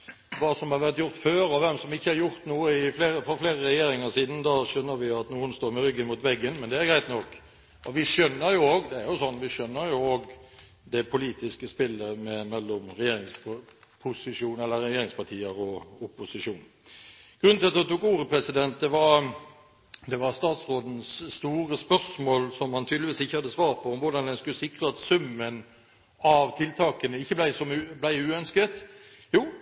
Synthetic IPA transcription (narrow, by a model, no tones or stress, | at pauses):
ʋɑːsɔmhɑɾʋæɾt̪jʊɾt̪føːɾɑʋɛmsɔmɪçːəɑɾjʊɾt̪nuːəɪfleːɾəfɔɾfleːɾəɾɛjeːɾɪŋəsiːd̪n̩d̪ɑʂœnːəɾʋɪɑt̪nuːənst̪oːɾmɛɾʏɡːənmuːt̪ʋɛɡːənmɛnd̪ɛæɾɡɾæɪt̪nɔkː | ɔʋɪʂœnːəɾjʊoːɡd̪ɛæɾjʊsɔnːʋɪʂœnːəɾjʊoːɡ | d̪ɛpʰʊliːt̪ɪskəspɪlːəmɛmɛlːɔmɾɛjeːɾɪŋspʰʊsɪʂuːnɛlːəɾɛjeːɾɪŋspɑt̪ʰiːəɾɔʊpʊsɪʂuːn | ɡ̥ʁʉnʰɪlɑt̪ːɑt̪uːkuːɾəpɾɛsɪd̪ɛnt̪̚d̪ɛʋɑɾ | d̪ɛʋɑʁst̪ɑːt̪sʁoːd̪n̩sːt̪uːʁəspœsmoːlsɔmhɑnt̪ʰyːd̪lɪʋiːsɪçːəhɑd̪ːəsʋɑːɾpʰɔɔmʋʊʁd̪ɑnd̪ɛnskʉsɪkʁəɑt̪sʉmːən | ɑʋt̪ʰɪlt̪ʰɑːkənəɪçːəblæɪsɔmʉblæɪʉːœnskət̪ | juː